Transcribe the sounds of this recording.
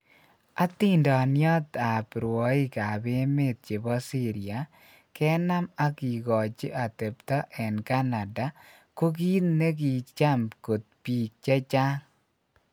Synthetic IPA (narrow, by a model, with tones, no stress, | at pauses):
a˦t̪i˦ndɔ˨njɔ˦t̪a˨pɾwɔ˨˦i˦ka˨be˦me˦˨t̪̚t͡ʃe˨bɔ˦si˦ɾɪ˨a˨ | kɛ˦na˦ma˦ki˨ɡɔ˨t͡ʃɪ˦ʔa˨t̪e˨pt̪ɔ˦ʔɛ˨nka˦na˨da˦ | ko˦k̬i˦t̪ne˦k̬i˨t͡ʃa˦mko˨t̪̚piː˨k̚t͡ʃe˦t͡ʃa˦ŋ